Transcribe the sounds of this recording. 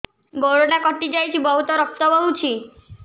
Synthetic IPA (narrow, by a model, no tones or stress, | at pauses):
ɡoɽoɽakɔʈid͡ʒajt͡ʃʰibɔɦut̪ɔɾɔk̚t̪ɔbɔɦũt͡ʃʰi